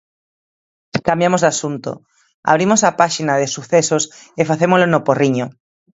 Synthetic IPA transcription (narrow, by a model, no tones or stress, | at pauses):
kambjamozðasunt̪o̰ | a̰βɾimosapaʃinaðesuθesosefaθemozlonoporiɲo